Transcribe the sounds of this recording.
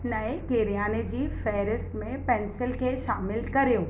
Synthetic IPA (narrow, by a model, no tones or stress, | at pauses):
nɐekeːɾijaːned͡ʑiːfɛːɾɪsʈmẽpɛ̃ːnsɪlkʰeːʃaːmɪlkɐɾijoː